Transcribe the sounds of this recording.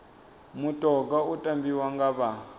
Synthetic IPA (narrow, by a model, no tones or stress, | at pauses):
mutʼɔɡautʼambiwaŋɡaβa